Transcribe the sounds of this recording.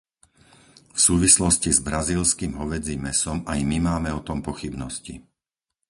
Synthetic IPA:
fsuːʋislɔscizbɾaziːlskiːmɦɔʋɛd͡zimɛsɔmajmimaːmɛɔt̪ɔmpɔxibnɔscḭ

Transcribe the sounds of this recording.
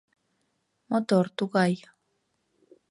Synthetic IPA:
mot̪oɾt̪uɣaj

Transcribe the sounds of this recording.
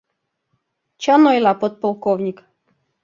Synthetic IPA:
t͡ɕɑnojlˠɑpot̪̚polˠkownʲik

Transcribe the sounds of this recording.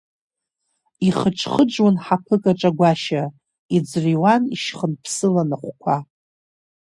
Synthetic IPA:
iχəʈ͡ʂʰχəd͡ʒwanħapʰɨkʼaʈ͡ʂʼaɡʷaʃa | id͡zriwaniʃχənpʰsɨlanaχʷkʷʰa

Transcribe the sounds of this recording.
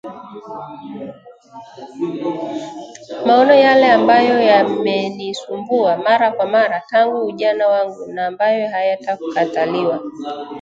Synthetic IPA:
maɔnɔjalɛambajɔjamɛnisumbuamaɾakwamaɾataŋɡuuʄanawaŋɡunaːmbajɔɦajataku̥kataliwa

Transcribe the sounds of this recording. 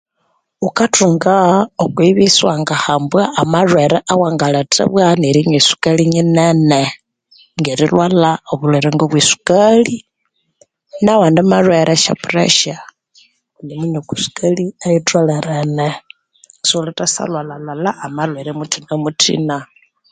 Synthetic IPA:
ukatʰuŋɡaokwiβiswaŋɡahambwaʔːmarwɛɾɛʔawaŋɡalatʰa̰βwaneɾiɲisu̥kaliɲinɛnɛ | ŋɡeɾilwalaoβulweɾeŋɡoβwisu̥kali | nawandamarwɛɾʔɛʃa̰purḛʃa | ndiminokisu̥kaliajitwalɛɾɛnɛ | solatasa̰lwalalalaːmalweɾɛmutʰinamutʰḭna

